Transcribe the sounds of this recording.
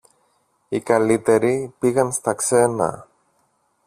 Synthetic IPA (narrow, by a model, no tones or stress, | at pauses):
ikɐlit̪e̞ɾipiɣɐnst̪ɐkse̞nɐ̰